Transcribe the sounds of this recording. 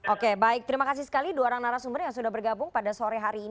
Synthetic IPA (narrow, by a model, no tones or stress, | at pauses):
ʔokebaɪk̚t̪əɾimakas̬isə̥kaliduaoɾaŋnaɾasumbərjaŋsudahbərɡabʊŋpadasoɾɛɦaɾiː